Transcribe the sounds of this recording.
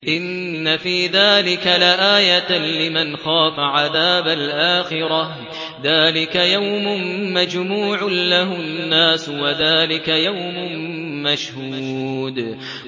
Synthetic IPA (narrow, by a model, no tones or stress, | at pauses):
ʔɪnː | afiːðaːlɪkalaʔaːjalɪmanxɑːt̪ˤɑʕaðaːbalʔaːxɪɾa | ðaːlɪkajawmʊnmad͡ʒmuːʕʊnlːaɦʊnːaːswaðaːlɪkajawmʊmaʃhuːd̪